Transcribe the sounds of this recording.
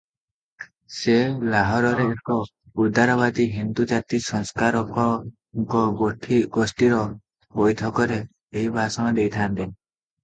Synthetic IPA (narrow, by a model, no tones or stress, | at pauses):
selaɦɔɾɔɾeːkɔ | uɾd̪aɾɔβad̪iɦind̪ud͡ʒat̪isɔŋskaɾɔkɔ | kɔɡoʈʰiɡosʈiɾɔ | hojt̪ʰɔkɔɾeː | ɦibʱasɔmad̪ejt̪ʰant̪i